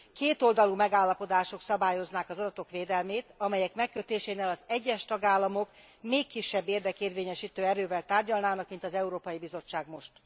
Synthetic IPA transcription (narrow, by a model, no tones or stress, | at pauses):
keːt̪o̞ld̪ɒlumɛɡaːlːɒpo̞d̪aːʃo̞ksɒbaːjo̞znaːkɒzod̪ɒt̪o̞kʋeːd̪ɛlmeːt̪ɒmɛjɛkmɛkːøt̪eːʃeːneːlɒzɛɟːɛʃt̪ɒɡaːlːɒmo̞kmeːkːiʃːɛbːeːrd̪ɛkeːrveːɲɛʃiːt̪øːɛɾøːvɛlt̪aːrɟɒlnaːnɒkmint̪ɒzɛuɾoːpɒjibizo̞t͡ʃːaːɡmo̞ʃt̪